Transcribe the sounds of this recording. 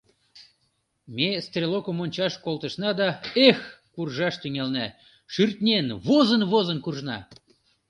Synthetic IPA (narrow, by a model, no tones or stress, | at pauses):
mest̪rʲelokəmonʲt͡ɕɑʃkolˠt̪əʃnɑd̪ɑexkurʒɑʃt̪yŋælnæ | ʃyrt̪nʲenβozənβozənkurʒnɑ